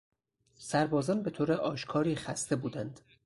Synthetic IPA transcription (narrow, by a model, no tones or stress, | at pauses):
sæɾbɒːzɒːnbe̞t̪ʰoːɾeʔɒːʃkʰɒːɾiːxæst̪e̞buːd̪ænd̪̥